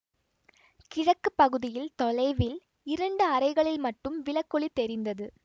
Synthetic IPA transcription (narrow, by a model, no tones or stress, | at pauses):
kɪɻɐkːɯpːɐɣɯðɪjɪlt̪ɔlɐɪʋɪl | ɪɾɐɳɖɯɐɾɐɪɣɐɭɪlmɐʈːɯmʋɪɭɐkːɔɭit̪ːɛɾɪnd̪ɐðɯ